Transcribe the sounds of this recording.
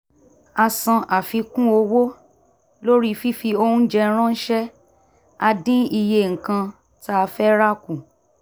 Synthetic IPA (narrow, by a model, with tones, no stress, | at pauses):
a˧sã˧ʔa˨fi˧kũ˦o˧wo˦ | lo˦ɾi˦fi˦fi˧o˧hũ˦d͡ʒɛ˧˦ɾ̃ã˦n̩˦ʃɛ˦ | a˧dĩ˦i˧je˧˨ŋ̩˨kã˧ | ta˦a˧fɛ˦ɾa˦kũ˦˨